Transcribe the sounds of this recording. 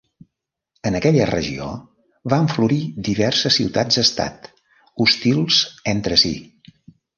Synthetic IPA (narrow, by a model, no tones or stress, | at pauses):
ənəkɛʎərəʒḭo̰ | βaɱfluɾid̪iβɛrsəsːiwt̪ad͡zd̪əst̪a̰t̪ | ust̪ilˠzent̪ɾəsḭ